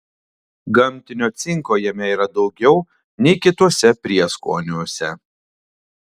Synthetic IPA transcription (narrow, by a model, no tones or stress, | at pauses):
ɡɐmʲˑt̪ʲɪnʲoːt̪sʲɪŋkoːjɛmʲɛiːɾɐd̪ɒʊɡʲɛʊ | nʲɛɪkʲɪt̪uɔsʲɛpʲɾʲiɛsko̰ːnʲuːsʲɛ